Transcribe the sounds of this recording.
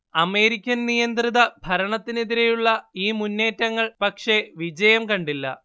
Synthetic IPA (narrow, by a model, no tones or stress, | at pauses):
ɐme̞ːɾikʲːɐnnijɐnd̪riðɐbʱɐɾɐɳɐt̪ːine̞ðiɾe̞juɭːɐiːmunːe̞ːtːɐŋːɐɭpɐkʂe̞ʋid͡ʑɐjɐmkɐɳɖilːɐ̰